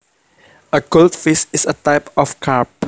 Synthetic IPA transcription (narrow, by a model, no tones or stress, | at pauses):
əkoltfisɪsətaɪpɔfkʰap